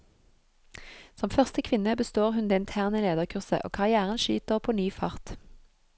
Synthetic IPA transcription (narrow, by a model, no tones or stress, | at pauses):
sɔmfœʁst̪əkʰʋɪnəbəst̪oːʁhʉnd̪eːɪnt̪ʰæːʁnəleːd̪əʁkʰʉʁsə̰ʔo̰ːkʰɑʁɪæːʁənʃy̰ːt̪əʁpʰoːnyːfɑʁt̪